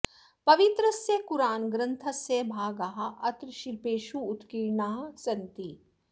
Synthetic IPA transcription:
pɐʋit̪ɾɐsjeːkuɾaːnɡɾɐ̃nt̪ʰɐsjeːbʱaːɡaɦɐʔɐt̪ɾʃiɾpeːʃuːt̪kiːɾɳaːɦɐsɐnt̪i

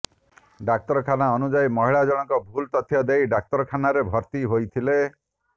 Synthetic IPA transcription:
ɖak̚t̪ɔɾɔkʰanaɔnud͡ʒajmɔɦiɭad͡ʒɔɽ̃ɔŋkɔbʱult̪ɔt̪ʰjɔd̪ejɖak̚t̪ɔɾɔkʰanaɾebʱɔɾt̪iɦojt̪ʰile

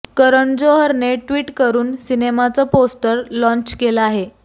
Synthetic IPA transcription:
kəɾəɳd͡zoɦəɾneʈʋiːʈkəɾuːnsinemat͡səposʈəɾlɔ̃ɲt͡ɕkeləaɦe

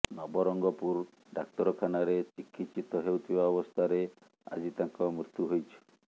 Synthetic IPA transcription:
nɔbɔɾɔŋɡɔpuɾ | ɖak̚t̪ɔɾɔkʰanaɾet͡ʃikʰːit̪t͡ʃit̪ɔɦewt̪ʰibaɔbɔst̪ʰaɾe | a̰d͡ʒit̪aŋkɔmɾut̪juɦojt͡ʃʰi̥

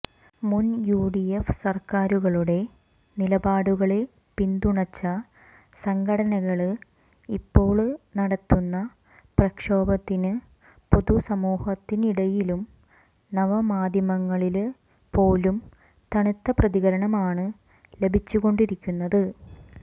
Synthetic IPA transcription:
munjuːɖijefsɐrkaːɾuɣɐɭuɽe̞ | nilɐbaːɽuɣɐɭe | pind̪uɳɐt͡ɕːɐ | sɐŋɡɐɽɐnɐɣɐɭɨ | ipːo̞ːɭnɐɽɐt̪ːunːɐ | prɐkʂo̞ːbɐt̪ːinɨ | poðusɐmuːhɐt̪ːiniɽɐjilum | nɐʋɐmaːd̪ʱjɐmɐŋːɐɭil | po̞ːlum | t̪ɐɳit̪ːɐprɐðiɣɐɾɐɳɐmaːɳɨ | le̞bʱit͡ɕːuɣo̞ɳɖiɾikʲːunːɐðɨ

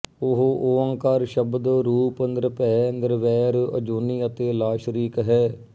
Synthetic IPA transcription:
ʊɦoʔoːə̃ŋkaːɾʃəbd̪ɾuːpənd̪əɾpɛːənd̪əɾʋɛːɾə̰d͡ʒoːniːət̪eːlaːʃɾiːkɦɛː

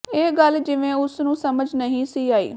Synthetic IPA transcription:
eːɡəld͡ʒɪʋẽːʊsnũːsəməd͡ʒnəɦĩːsiːaːḭː

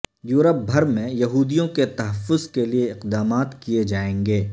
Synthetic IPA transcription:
juːɾəp̚bʱɐɾmẽjɐɦuːd̪ijõket̪ɐɦəfːʊzkelieɪqd̪aːmaːt̪kijed͡ʒaːẽːŋɡeː

